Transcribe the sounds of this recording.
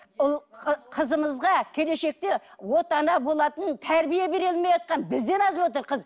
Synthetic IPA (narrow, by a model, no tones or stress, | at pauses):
ʊlˠqqʰəzəməzʁɑkʲʰe̞le̞ʃe̞k̚t̪e̞wo̞t̪ɑnɑbo̞lˠɑt̪ənt̪ʰæɾbijebe̞ɾelmejɑt̪̚qɑnbɪzd̪enɑzwo̞t̪̬əɾqʰəz